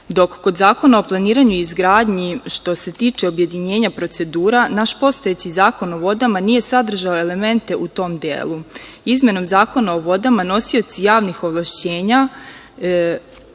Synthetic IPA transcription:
d̪o̞kːo̞d̪zaːko̞naoplˠaniːɾaɲuizɡɾaːd̪ɲiʃt̪o̞se̞t̪iːt͡ʃe̞o̞bje̞d̪iɲe̞ːɲapɾo̞t̪se̞d̪uːɾanaʃpo̞st̪o̞jet͡ɕizaːko̞no̞ʋo̞d̪amanije̞sad̪r̩ʒaoe̞le̞me̞nt̪e̞ʔut̪o̞md̪jḛːlˠuizmʲe̞no̞mzaːko̞nao̞ʋo̞d̪amano̞sio̞t̪sijaːʋnixo̞ʋlˠaʃt͡ɕe̞ːɲa

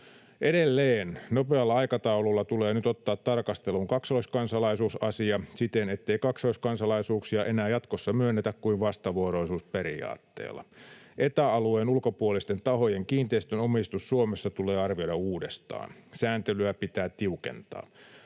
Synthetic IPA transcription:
ʔedelːeːnnope̞ɑlːɑɑjkɑt̪ɑululːɑt̪uleːnyt̪ot̪ːɑːt̪tɑrkɑst̪eluŋkɑksoiskɑnsɑlɑisuːsɑsiɑsit̪ene̞t̪ːeikɑksoiskɑnsɑlɑisuːksiɑʔe̞næːjɑt̪kosːɑmyønːet̪ækkuiʋʋɑst̪ɑʋuoɾoisuːspe̞ɾḭɑ̰ːt̪ːḛːlːɑ̰ʔet̪æɑlueːnulkopuolist̪e̞nt̪ɑho̞jeŋkiːnt̪eist̪ønomist̪usːuomesːɑt̪uleːɑrʋiodɑuːdest̪ɑ̰ːnsæːnt̪elyæpit̪æːtt̪iuke̞̰nt̪ɑ̰ː

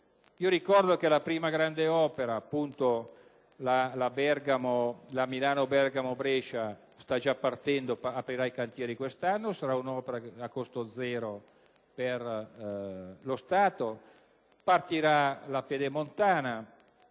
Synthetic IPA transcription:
iːoɾikɔrd̪okelapɾiːmaɡɾand̪eɔːpeɾaːpːunt̪o | lalabɛrɡamolamilaːnobɛrɡamobɾɛt͡ʃa | st̪ad͡ʒapːart̪ɛnd̪opapɾiɾaikant̪jɛːɾikwest̪anːosaɾaunɔːpeɾaakost̪od̪zɛːɾo | per | lost̪aːt̪o | part̪iɾalaped̪emont̪aːna

